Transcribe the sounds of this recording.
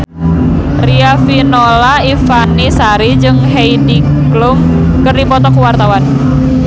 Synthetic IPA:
riafinolaifanisaɾid͡ʒɨŋɦejdi | ɡlum | kɨrdipɔt̪ɔkuwart̪awan

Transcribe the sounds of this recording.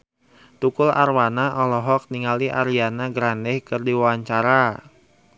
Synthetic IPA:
t̪ukʊla̰rwanaʔɔlɔɦɔk̚niŋaliʔaɾianaɡɾandɛhkɨrdiwawaɲt͡ʃaɾa

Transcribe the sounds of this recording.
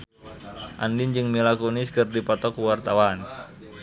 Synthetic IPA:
ʔa̰ndɪnd͡ʒɨŋmilakonɪskɨrdipɔt̪ɔkuwart̪awan

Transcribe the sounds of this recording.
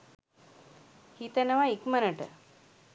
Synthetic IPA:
hit̪ənəʋaikmənəʈə̰

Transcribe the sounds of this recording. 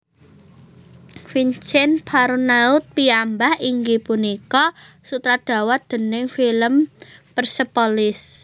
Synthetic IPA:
fint͡ʃɛnpʰaɾunaʊt̪̚piambahiŋɡipunikɔ | sut̪ɾad̪̥ä̤wad̪̥ə̤nɪŋfiləmpərsəpɔlɪs

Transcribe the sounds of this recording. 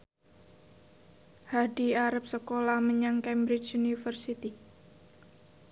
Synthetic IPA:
haɖiaɾap̚səkolahməɲaŋkɛmbɾɪt͡ʃunifərsit̪i

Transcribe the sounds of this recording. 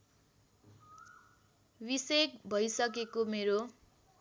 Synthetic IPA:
wisek̚bʱʌjsʌk̬ekomeɾo

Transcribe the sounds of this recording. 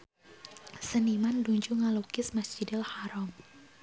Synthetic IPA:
sənimanduɲd͡ʒuŋalukɪsmasd͡ʒidɪlhaɾɔm

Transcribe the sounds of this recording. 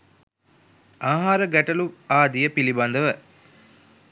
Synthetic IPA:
aːɦaːɾəɡæʈəluaːd̪ijəpiliband̪əʋə

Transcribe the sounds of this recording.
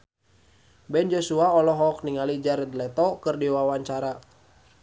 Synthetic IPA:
bɛnd͡ʒɔsuaɔlɔɦɔk̚niŋalid͡ʒaɾɛd̪lɛt̪ɔkɨrdiwawaɲt͡ʃaɾa

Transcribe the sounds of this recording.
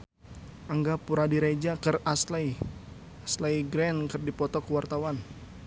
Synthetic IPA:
ʔəŋɡapuɾadiɾed͡ʒakɨraslaj | aslajɡɾɛnkɨrdipɔt̪ɔkəwart̪awan

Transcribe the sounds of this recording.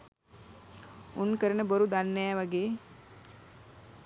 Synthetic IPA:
unkəɾənəboɾud̪anːɛjʋaɡeː

